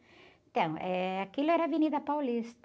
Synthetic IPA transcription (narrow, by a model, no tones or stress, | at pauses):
t̪ɐ̃w̃ʔɛakilʊɛɾɐvinid̪ɐpawlist̪